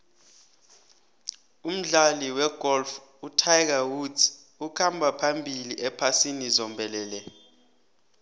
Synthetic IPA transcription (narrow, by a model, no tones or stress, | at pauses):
um̩ɮaliwɛɡ̥ʱɔlf | utʰajk̬awu | ukʰambʱapʰambʱiliʔɛpʰasinizɔmbʱɛlɛːlɛ